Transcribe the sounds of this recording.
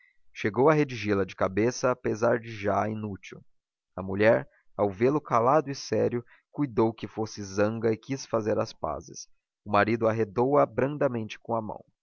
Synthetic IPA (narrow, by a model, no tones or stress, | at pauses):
ʃeɡowɐɦed͡ʒiʒelɐd͡ʒɪkabesɐːpezaɾd͡ʒɪʒainut͡ʃiw | ɐmuʎɛɾ | awvelʊkalad̪ʊɪsɛɾjʊ | kujd̪owkɪfosɪzɐ̃ŋɡɐɪkisfazeɾɐspa̰zɪ̰s | ʊmaɾid̪ʊaɦed̪owɐbɾɐ̃nd̪ɐmẽnt͡ʃɪ̥kõɐmɐ̰̃w̃